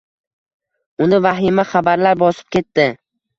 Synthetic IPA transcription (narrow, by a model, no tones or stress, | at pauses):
ʊnɪvaɦɪmaχabaɾlaɾbɒsɪ̥p̚kʲʰe̞t̪ːɪ